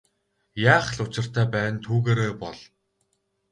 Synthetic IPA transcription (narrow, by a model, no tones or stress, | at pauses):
jaːχɮʊt͡ɕɪ̆r̥t̪æːpæːnt̪ʰuːɣeːɾeːpɔɮ